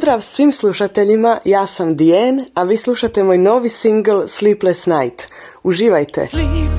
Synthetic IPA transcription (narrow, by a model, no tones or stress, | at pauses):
d̪ɾaːʋsʋiːmslˠuʃat̪eʎimajaːsamd̪ijeːnaʋiːslˠuʃat̪e̞moːjno̞ːʋisiŋɡlˠsliːplesnajt̪ | uʒiːʋajt̪ḛ